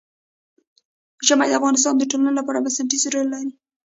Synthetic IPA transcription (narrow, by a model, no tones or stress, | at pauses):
ʒamajd̪əafɣɑnɪs̬t̪ɑnd̪əʈolanlapɑɾabasaɳʈisɾojlɑɾi